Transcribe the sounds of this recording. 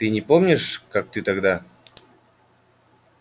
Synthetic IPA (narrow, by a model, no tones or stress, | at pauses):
t̪ɨnʲɪpomnʲɪʂkak̚t̪ɨt̪aɡd̪a